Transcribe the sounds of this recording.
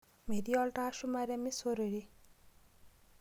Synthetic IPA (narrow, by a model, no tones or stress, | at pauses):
mediɔlʈaʃumaɾamisoɾoɾi